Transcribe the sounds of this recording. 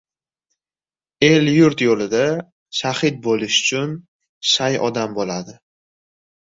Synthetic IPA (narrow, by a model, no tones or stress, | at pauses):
e̞ljʊɾt̪jolɪd̪a | ʃahɪt̪̚bolɪʃʊ̥t͡ʃʰʊn | ʃajʔɒ̰d̪ambolad̪ɪ